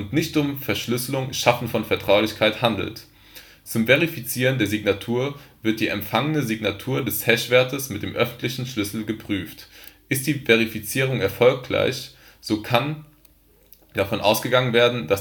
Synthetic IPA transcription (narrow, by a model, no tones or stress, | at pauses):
ʔʊntnɪçtʊmfɛɐʃlʏsəlʊŋʃafn̩fɔnfɛɐtʁ̥aʊlɪçkʰaɪthandl̩t | t͡sʊmveʁ̞ifit͡siːʁ̞əndeːɐziɡnatʰuːɐv̥ɪɐt̚d̥iːɛ̰mfaŋənəziɡnatʰuːɐdɛshɛʃv̥ɛɐtəsmɪt̚d̥eːmʔœfn̩tʰlɪçn̩ʃlʏsl̩ɡəpʁ̥yːftʔɪst̚d̥iːveʁifit͡siːʁ̞ʊŋɛɐfɔlkla̰ɪç | z̥oːkʰan | d̥afɔnʔa̰ʊsɡ̥əɡaŋənveːɐdn̩das